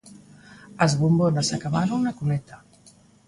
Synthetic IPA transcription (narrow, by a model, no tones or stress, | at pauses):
əzβumbonasakaβaɾuunakumɛt̪a